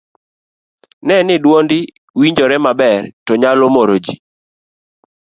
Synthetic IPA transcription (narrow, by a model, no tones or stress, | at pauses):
nɛnɪdwondɪ | wiɲd͡ʒoɾɛmabɛrtɔɲalomoɾod͡ʒi